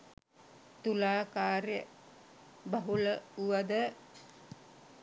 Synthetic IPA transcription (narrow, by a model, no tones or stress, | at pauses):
t̪ulaːkaːɾjə | baɦuləuʋad̪ə